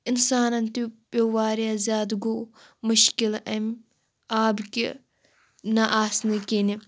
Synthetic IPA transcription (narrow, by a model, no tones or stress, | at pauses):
ɪnsaːnɐnt̪ibowaːɾijazʲjaːd̪ɡo | mʊʃkilɐm | aːbkʲḭ | nɐʔaːsnɨkʲini